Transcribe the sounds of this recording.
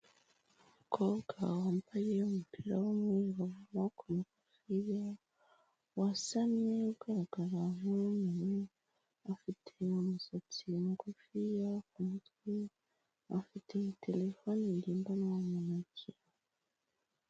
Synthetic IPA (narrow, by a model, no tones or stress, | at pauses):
mukoɡa̰wambajeumupʰiɾawomweɾoumakʰomukufija | wasaneuɡ̥aɾaɡ̥aɾamunune | afitʰeumusat͡simukufijakumutwi | afitʰetʰelefonindiːmbanawamunaciɾa